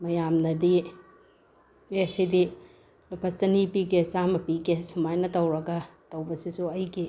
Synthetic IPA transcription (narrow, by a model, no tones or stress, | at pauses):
mɐjamnɐdi | esidi | lupʰɐt͡ʃɐnipiɡet͡ʃamɐpiɡesumajnɐtɐwɾɐɡɐtɐwbɐsisuɐjɡi